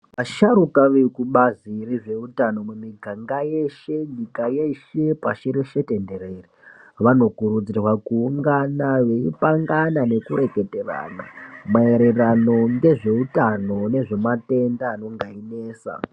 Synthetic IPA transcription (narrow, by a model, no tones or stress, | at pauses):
ʋaʃaɾukaʋekuɓaziriʐe̞utano̞mumiɡʱaŋɡajeʃeɲikajeʃe̞paʃiɾiʃete̞nde̞ɾeːriʋano̞kuɾud͡zirwakuːŋɡanawe̞ipaŋɡanane̞kuɾe̞ke̞te̞ra̰na̰mae̞ɾerano̞ŋde̞ʐe̞utano̞ne̞ʐe̞mate̞ndaːno̞ŋɡaine̞ːsa̰